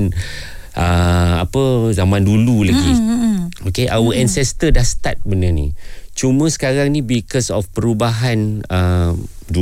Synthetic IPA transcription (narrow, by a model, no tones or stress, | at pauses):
n | ʔəa̰pəzamãndululaɡi | okeʔawəʔɛnsɛst̪ədahsə̥t̪at̪̚bənənḭ̃t͡ʃumə̃sə̥kaɾaŋnĩbikɔsɔfpəɾubaɦanə | du